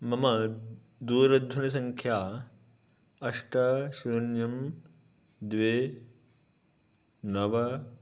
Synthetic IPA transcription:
mɐmɐ | d̪uːɾɐd̪ʱwɐnɐsɐ̃ŋkʰjaː | ɐʂʈɐʃuɾɐnjɐm | d̪ʋeː | nɐʋɐ

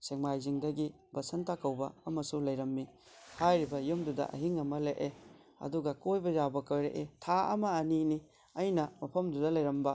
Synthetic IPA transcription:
seŋmajziŋdɐɡi | bɐsɐntakɐwbɐ̰ɐmɐsulɐjɾɐmːi | hajɾibɐjumdudɐ̰ʔɐ̰ɦiŋɐmɐleʔe | ɐ̰duɡɐkojbɐzabɐkɐwɾeʔetʰaɐ̰mɐɐnini | ɐjnɐmɐpʰɐmdudɐlɐjɾɐmbɐ

